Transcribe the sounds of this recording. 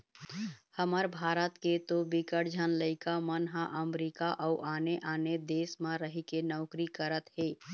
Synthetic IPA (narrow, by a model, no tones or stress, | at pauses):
həməɾbʱaːɾət̪ket̪obikəɽd͡ʒʱənləɪkamənɦãʔəmɾiːkaʔəuʔaːneʔaːned̪eːsmãɾəɦikenɔːkɾikəɾət̪ɦeː